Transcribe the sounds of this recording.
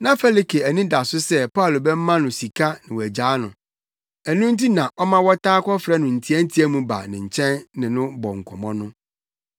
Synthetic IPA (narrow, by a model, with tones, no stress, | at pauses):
nã˦fɛ˦li˦kʰe˨æ˨nĩ˦da˨sʊ˦sɛ˦pa˦˨lo˨bɛ˦m̩˦mã˦nʊ̃˨si˨kʰa˦nɪ̃˨wæ˨d͡ʑaː˨˦nʊ̰̃˨ | æ˨nũ˦n̩˦ti˦nã˨ʔɔ˦mã˦wɔ˦tʰaː˦kʰɔ˦fɾɛ˦nʊ̃˨n̩˨tʰi˦æ˦n̩˦tʰi˦æ˦mũ˨ba̰˨nɪ̃˨ɲ̩˨t͡ɕʰɛ̃˦nnɪ̃˨nʊ̃˦bɔ˨ŋ̩˨kʰɔ˨mɔ̃˦nʊ̃˦